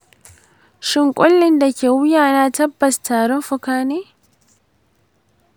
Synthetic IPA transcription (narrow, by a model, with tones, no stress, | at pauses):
ʃɪ˨ŋkʼɔ˦lːɪ˦nd̪ɐ˨ke˨ʊ˦jaː˦naː˦t̪ɐ˦bːɐ˨st̪aː˨ɾɔ˦fʊ˦kaː˦ne˦